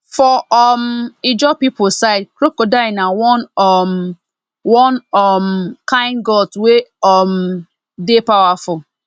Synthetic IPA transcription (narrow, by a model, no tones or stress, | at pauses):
fɔɔmid͡ʒɔpipʊsaɪd̚kɾokodaɪnawɔnɔm | wɔnɔmkãɪ̃nɡɔtweɔm | depawafʊl